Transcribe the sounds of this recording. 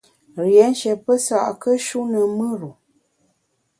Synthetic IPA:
ɾjɛ˨˦n̩˦ʃɛ˨pə˦sa̰˨ʔkə˦ʃu˦nə˨mɨ˦ɾu˨

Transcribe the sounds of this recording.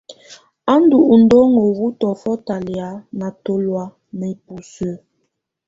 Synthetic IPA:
a˦n˦du˨ʔu˨n̩˨˦dɔ˦ŋo˨wu˦tɔ˨fɔ˦ta˨lja˨˦na˨to˦lwa˦ | nə˨i˦pu˨sə˦

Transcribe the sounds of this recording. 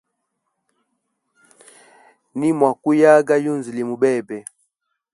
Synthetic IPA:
ni˦mwa˨ku˦ja˦ɡa˦ju˦nzi˨li˨mu˨bɛ˦˨bɛ˨

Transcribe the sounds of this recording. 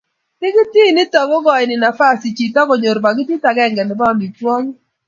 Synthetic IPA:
nɪ˦ɡɪ˦ti˦˨nɪ˦tɔ˨ɡɔ˦ɡɔ˨ɪ˨nɪ˨na˨fa˦si˨t͡ʃi˨tɔ˦ɡo˨ɲo˨ɾba˨ɡɪ˦ti˦ta˨ɡɛ˦˨ŋɡɛ˨nɪ˨bɔ˦˨mi˨twɔ˦ŋ˦

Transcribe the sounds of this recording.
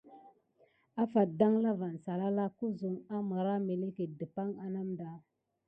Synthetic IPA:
a˦fa˨da˦ŋla˦va˨n˨sa˨la˦la˦ku˦zu˨ŋa˦mə˨ɾa˦me˨le˦ke˨də˨pa˦ŋa˦na˦mda˦

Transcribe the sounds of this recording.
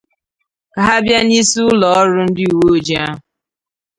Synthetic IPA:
ka˨ɦa˦bja˦ni˦su˦ʊ˦lɔ˨ɔ˦ɾʊ˦n̩˦dɪ˦u˨wo˦o˦d͡ʒi˨˦a˦ɦ

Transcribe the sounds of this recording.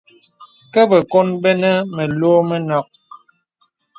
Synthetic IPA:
kɛ˦bə˨ko˦nbɛ˦nə˦mə˨loː˦mə˦nɔ˨k̚

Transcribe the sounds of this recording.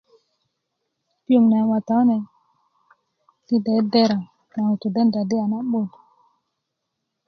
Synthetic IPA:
pi˦o˨mna˨wa˨t̪a˨˦nɛ˨ | ti˦dɛ˨˦dɛ˦ɾa˨ | na˨u˨t̪u˨dɛ˦n˨da˨de˦a˨na˦ɓo˦˨n˨

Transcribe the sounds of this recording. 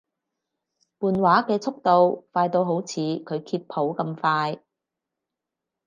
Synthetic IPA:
puː˨nwaː˨˥kɛː˧t͡sʰʊ˥k̚t̪o˨˧wfaː˧jt̪o˧wɦo˨˥wt͡sʰiː˨˧kʰɵ˨˧ɥkʰiː˧t̚pʰo˨˥wkɐ˧mfaː˧j

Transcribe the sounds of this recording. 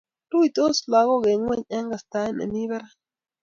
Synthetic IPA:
tu˦i˨t̪ʼo˦sla˨ɣɔ˦ɣe˨ŋwɛ˦˨ɲɛ˦ŋɡa˨st̪a˦ɛ˦nḛ˨mi˦βɛ˦ɾa˦

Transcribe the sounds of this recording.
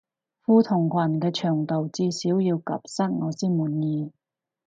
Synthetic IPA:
fuː˧t̪ʰʊ˨˩ŋkʷʰɐ˨˩nkɛː˧t͡ʃʰœː˨˩ŋt̪o˨wt͡siː˧siː˨˥wjiː˧wkɐ̰˨˩p̚sɐ˥t̚ŋɔː˨˧siː˥nmuː˨˩njiː˨˧

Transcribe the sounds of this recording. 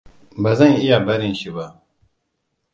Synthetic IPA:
bɐ˨zɐ̃˦ŋi˦ja˨bɐ˦ɾĩ˨ɕi˨ba˨

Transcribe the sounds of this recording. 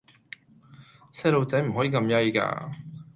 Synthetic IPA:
sɛ˥lo˨˧wt͡sɐ˨˥jm̩˨˩ɦɔː˨˥jiː˨˧kɐ˧mjɐ˥jka̰ː˧

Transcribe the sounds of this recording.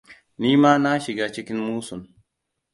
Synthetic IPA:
niː˦maː˦na˦ʃɪ˨ɡaː˦t͡ʃɪ˦kʲɪ˦mmuː˦sʊ˨n

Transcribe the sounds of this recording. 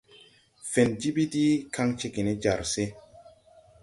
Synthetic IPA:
fe˨nd͡ʒi˦bi˦ti˦ka˦ŋt͡ʃe˦ki˨ne˦d͡ʒa˨ɾse˦

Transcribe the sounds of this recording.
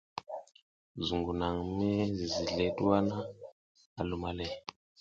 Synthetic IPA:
zu˨ŋɡu˨na˨ŋ˨mɛ˦zi˨zi˨ɮɛ˨˦tu˦a˦na˦ | a˨lu˨ma˨lɛ˦

